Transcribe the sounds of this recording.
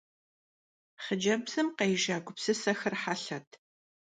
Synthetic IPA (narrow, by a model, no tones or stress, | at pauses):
χəd͡ʒɐbsɨmqɐjʒaːɡʷʊpsɨsɐxɐrħaɬɐtʰ